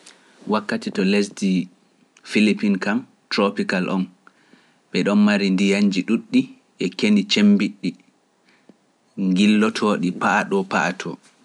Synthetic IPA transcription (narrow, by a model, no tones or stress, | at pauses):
wakːatitɔlesdi | filipinkam | tɾopikalʔɔ̰n | ɓɛɗɔnmaɾindijaɲd͡ʒiɗuɗːi | ʔɛkenit͡ʃembiɗːi | ŋɡilːɔtʰɔɗipaʔaɗɔpaʔatʰɔ